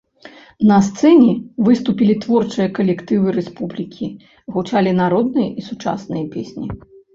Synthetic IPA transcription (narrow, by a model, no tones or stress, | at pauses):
nɐst̪sɛnʲɛvɨst̪upʲilʲit̪vɔrt͡ʂɨjɐkɐlʲɛkt̪ɨvɨɾɛspublʲikʲʰi | ɣut͡ʂalʲinaɾɔd̪nɨjɐʔisut͡ʂa̰snɨjɐpʲesʲnʲḭ